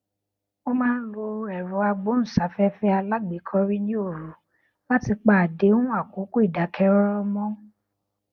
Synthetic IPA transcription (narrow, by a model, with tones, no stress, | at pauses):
o˦mãː˦n̩˦lo˧ɛ˨ɾɔ̃˨˦a˧ɡ͡bo˨˦ñ̩˨sa˨˦fɛ˦fɛ˦a˧la˦ɡ͡be˨˦kʰɔ˧˦ɾi˦nĩ˦o˦˨ɾu˨˦ | la˦ti˧k͡pa˨a˨de˨˦ũ˦a˦˨ko˨˦ku˦i˦˨da˨˦kʰɛ˧ɾɔ˦ɾɔ˦mɔ̃˦